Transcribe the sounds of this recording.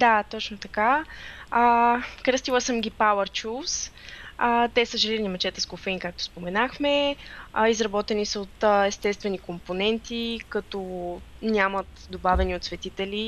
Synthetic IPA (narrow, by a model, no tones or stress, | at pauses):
d̪at̪ɔt͡ʃnot̪ɐka | əkɾəst̪ilˠəsəmɡʲipawɛɾt͡ʃus | ət̪ɛsəʒɛlinimɐt͡ʃɛt̪ɛskofɛinkak̚t̪o̥spomɛnaxmɛ | izɾɐbɔt̪ɛnisəot̪ɛst̪ɛst̪vɛnikomponɛnt̪ikɐt̪ɔnʲamət̪d̪obavɛniot̪svɛt̪it̪ɛli